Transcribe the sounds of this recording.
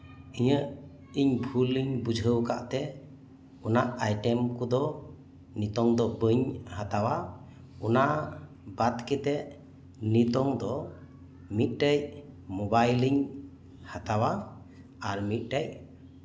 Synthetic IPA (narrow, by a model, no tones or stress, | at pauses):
iɲəʔ | iɲbʱuliɲbud͡ʒʱəwka̰ʔt̪ɛ | ɔnaʔajʈɛmkɔd̪ɔ | nit̪ɔŋd̪ɔbəɲhat̪awa | ɔnaʔ | bat̪̚kɛt̪ɛʔ | nit̪ɔŋd̪ɔ | mit̪̚ˀʈɛj | mobajliɲ | hat̪awa | aɾmit̪̚ˀʈɛj